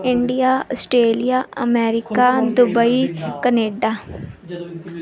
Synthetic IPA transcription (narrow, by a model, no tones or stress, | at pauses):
ɪɳɖijaːəsʈɾeːlijaːəmɛːɾɪkaːd̪ʊbəikəneːɖaː